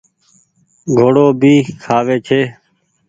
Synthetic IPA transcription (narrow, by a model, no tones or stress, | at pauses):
ɡʱoːɽoːbʱiːkʰaːʋeːt͡ʃʰeː